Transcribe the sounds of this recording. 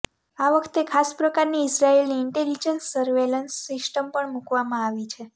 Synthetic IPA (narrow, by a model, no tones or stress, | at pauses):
aʋəkʰt̪ekʰaspɾəkaɾniɪsɾaelniːɳʈelid͡ʒənsːəɾʋelənsːɪsʈəmpəɳmukʋamãaʋit͡ʃʰe